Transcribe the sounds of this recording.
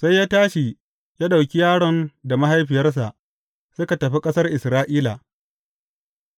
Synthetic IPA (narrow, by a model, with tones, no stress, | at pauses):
sa˦jːaː˦taː˦ʃi˨ | jaː˦ɗa˨wkʲi˦jaː˦ɽɔ˦nda˨ma˦ɦa˦jɸɪ˨jɐ˦rs̬a˨ʔ | sʊ˦ka˨tɐ˨ɸi˦kʼɐ˦sɐ˦rʔɪ˨sɾaː˦ʔiː˦la˨ʔ